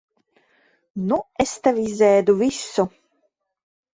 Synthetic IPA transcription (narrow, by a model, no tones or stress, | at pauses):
nuɛst̪avizɛːd̪uvisːɔ